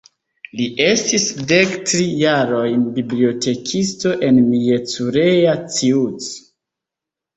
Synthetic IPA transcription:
liʔe̞stisde̞ktɾijaɾo̞jnbibliote̞kʰisto̞ʔe̞nmijet͡suɾe̞jat͡siut͡s

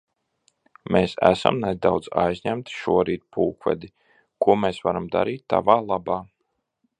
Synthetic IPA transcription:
meːsæ̰sa̰mnɛd̪awd̪za̰jzʲɲæmt̪i̥ʃuɔɾiːt̪̚puːkvɛ̰d̪i | kuɔmeːsvaɾamd̪a̰ɾiːt̪ːa̰vaːlˠabaː

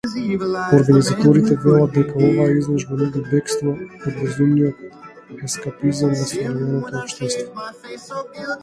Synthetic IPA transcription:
oɾɡanizat̪ɔɾit̪ɛvɛlˠad̪̚d̪ɛkaovaizlˠɔʒvɔnɛɡubɛkst̪vɔod̪vɛzumnijɔt̪̚ | ɛskapizanvasd̪ɔɾɛnɛnɔt̪ɔɔpʃt̪ɛst̪vɔ

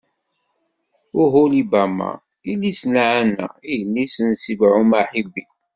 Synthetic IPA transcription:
ʊɦulibæma̰ | ilːisnaʕanːæ̰ijənːisənsivʕumaħibi

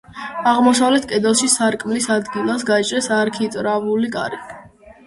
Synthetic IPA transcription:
aʁmɔsavlɛt̪ʰkʼɛd̪ɛlˠʃisaɾkʼmlisad̪ɡilˠasɡat͡ʃʼɾɛsaɾkʰit̪ʼɾavulikʼa̰ɾi

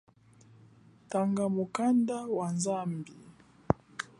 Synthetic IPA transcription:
taŋɡamukandawanzambi

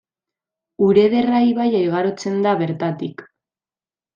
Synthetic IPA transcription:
uɾe̞ðe̞rajβajajɣ̞aɾo̞t͡se̞nd̪aβe̞ɾt̪at̪ik

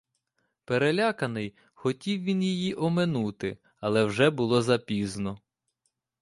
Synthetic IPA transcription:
peɾelʲakɐnɪj | xɔtʲiwʋʲinjijiʔɔmenut̪ɪ | ɐlˠɛwʒɛbʊlˠɔzɐpʲiznɔ

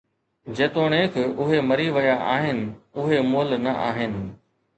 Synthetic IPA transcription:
d͡ʑeːt̪oːɽ̃eːkʰʊɦemɐɾiʋɐjaʔa̰ːɦɪnɪ̆ʊɦemoːlnɐʔa̰ːɦɪnɪ̆

